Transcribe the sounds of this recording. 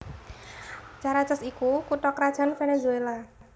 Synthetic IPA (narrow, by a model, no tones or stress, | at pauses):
t͡ʃaɾat͡ʃəsikukuʈɔkɾad̥ʒ̥a̤nfenezuela